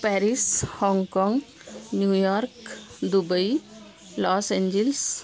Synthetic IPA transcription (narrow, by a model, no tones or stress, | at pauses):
pɛɾishɔ̃ŋkɔ̃ŋɡ | njujɔɾkd̪ubəi | lɔːsẽɲd͡ʒels